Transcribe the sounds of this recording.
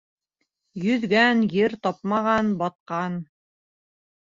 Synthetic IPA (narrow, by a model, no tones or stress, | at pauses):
jɵ̆ðɡænjɘɾt̪ɑp̚mɑʁɑnbɑt̪̚qɑn